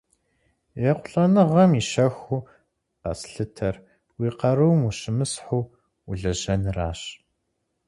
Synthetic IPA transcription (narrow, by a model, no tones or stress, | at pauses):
jɛqʷʊɬʼɐnɨʁɐmiʃɐxu | qɐ̰sɬɨtʰɐr | wiːqɐɾuwmuɕɪmɨsħuː | uɮɐʑɐnraːɕ